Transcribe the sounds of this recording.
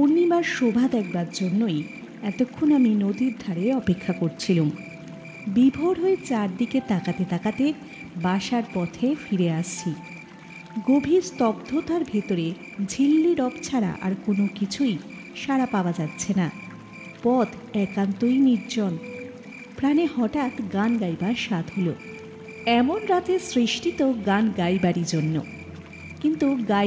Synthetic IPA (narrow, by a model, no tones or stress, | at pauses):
ponːibaɾʃobʱad̪ɛk̚baɾd͡ʑonːoj | ɛt̪okʰːonaminod̪iɾd̪ʱaɾeɔpekʰːakoɾt͡ɕʰilum | bibʱoɾɦoet͡ɕaɾd̪iket̪akat̪et̪akat̪e | baʃaɾpɔt̪ʰefiɾeaʃt͡ɕʰi | ɡobʱiɾst̪ɔbd̪ʱot̪aɾbʱit̪oɾe | d͡ʑʱilːiɾɔbt͡ɕʰaɾa̰ʔa̰ɾkonokit͡ɕʰuj | ʃaɾapaoad͡ʑat̪ːɕʰena | pɔd̪ | ɛkant̪ojniɾd͡ʑon | pɾanehɔʈat̪ɡanɡajbaɾʃat̪ɦolo | ɛmonɾat̪esɾiʃʈit̪oɡanɡajbaɾiɾd͡ʑonːo̰ | kint̪uɡa